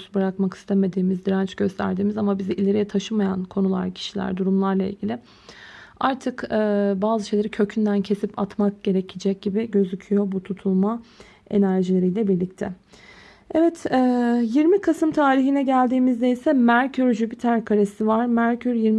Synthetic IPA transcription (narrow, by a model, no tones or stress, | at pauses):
sbɯɾakmaki̥st̪ʰeme̞d̪iːmizd̪iɾant͡ʃɟ̥ø̞st̪ʰæ̰ɾd̪iːmizamabiziʔilʲe̞ɾijɛt̪ʰaʃɯmajankʰo̞nulˠa̰ɾcʰi̥ʃilʲæ̰ɾd̪uɾumlˠaɾlˠaḭlʲɟʲilʲɪ | aɾt̪ʰɯkɛbaːzɯʃejlʲeɾicʰø̞cʰynd̪æncʰe̞sipat̪mak̚ɟ̥e̞ɾecʰid͡ʒɛc̚ɟ̥ibiɟø̞zycʰyjo̞but̪ʰut̪ʰulˠma | e̞̰næɾʒilʲe̞ɾijlʲɛbiɾlʲict̪ʰɛ | evɛt̪ʰɛːjiɾmikʰasɯmt̪ʰaːɾiɦinɛɟælʲd̪iːmizd̪ejsɛmæɾcʰyɾd͡ʒybit̪ʰæɾkʰaɾesivaɾmæɾcʰyɾjiɾm